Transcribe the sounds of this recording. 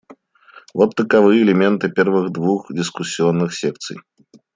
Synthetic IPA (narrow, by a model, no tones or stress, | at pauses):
vɔt̪t̪ːɐkavɨjɛɛlʲɛmʲɛnt̪ɨpʲɛrvɨɣd̪vuxd̪ʲɨskusʲijɔnːɨxsʲɛk̚t̪sɨ̰j